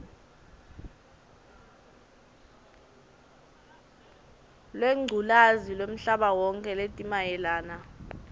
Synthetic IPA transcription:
lweŋ͡ǀʱulazilwem̩ɬaɓawɔŋkʼɛletʼimajɛlaːna

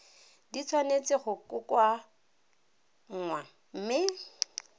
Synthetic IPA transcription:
dit͡sʰwanet͡sʼɪχʊkʼʊkwa | ŋ̩ːŋwa | m̩mɪ

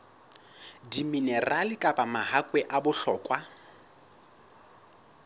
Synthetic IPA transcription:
diminɛralɪkʼapʼamaɦakʼwɛʔabʊɬɔːkʼwa

